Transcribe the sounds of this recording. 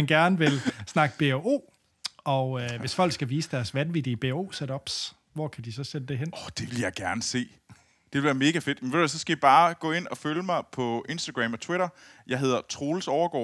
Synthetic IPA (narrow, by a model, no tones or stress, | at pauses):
ænɡ̥æɐnəʋe̝lsnɑ̈ɡ̥əb̥e̝o̝̰ː | ɒ̽øʋe̝sfɒ̽l̰ɡ̥sɡ̥æʋiːsəd̥æɐsʋænʋid̥iəb̥e̝o̝̰ːseɾɒ̽b̥s | ʋɒ̰kʰæd̥isɒ̽sen̥əd̥e̝ɦen̰ɒ̥d̥e̝ʋe̝ljɑ̈ɪɡ̥æɐnəse̝̰ː | d̥eʋe̝lʋæɐme̝ːɡ̥æfe̝d̥menʋeæs̬ɒ̽sɡ̥æjib̥ɑ̈ːɡ̥ɔ̰e̝n̰ɒ̽føləmɑ̈ɪpʰɒ̽e̝nsd̥aɡ̥ʁɛmɒt͡sʰweɾɐjɑ̈ɪɦe̝ð̞ˠɐt͡sʰʁo̝ːlsɒʊɐɡ̥ɒ̰ː